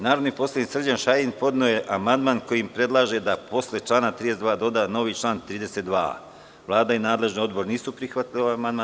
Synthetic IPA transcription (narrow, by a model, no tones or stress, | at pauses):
naːɾod̪nipo̞slaniksr̩d͡ʑanʃajinpo̞d̪nuojeʔamand̪maːnko̞jiimpɾe̞d̪lˠaːʒe̞d̪apo̞sle̞t͡ʃlˠaːnat̪ɾiːd̪esed̪ʋaːd̪o̞d̪ano̞ʋiːt͡ʃlaːnt̪ɾiːd̪e̞set̪d̪ʋa̰ː | ʋlˠaːd̪ainaːd̪le̞ʒnio̞d̪bo̞ɾniːsupɾixʋat̪ilioajamand̪maː